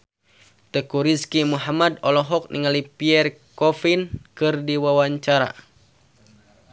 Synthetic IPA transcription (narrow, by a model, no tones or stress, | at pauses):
t̪əkuɾiskimuɦamadɔlɔɦɔk̚nʔiŋalipiɛr | kɔfinkɨrdiwawaɲt͡ʃaɾa̰